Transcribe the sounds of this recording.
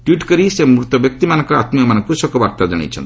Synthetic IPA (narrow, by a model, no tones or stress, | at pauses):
ʈwiʈkɔɾisemɾut̪ɔbjɔk̚t̪imanɔŋkɔat̪miɔmanɔ̃ŋkusɔkɔbaɾt̪ad͡ʒaɽ̃ḭt͡ʃʰɔ̰nt̪